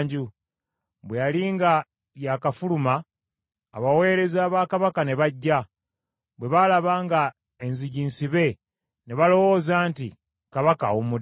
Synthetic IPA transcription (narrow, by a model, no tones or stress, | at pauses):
ɲɟu | βwejaliŋɡa | jakafulumaː | βawe̞ːɾe̞zaːβaːkaβakane̞βaɟːa | bwe̞βalaβaːŋɡa | enziɟiːnsiβe̞ | ne̞βalo̞wo̞ːzaːnti | kaβaka̰umud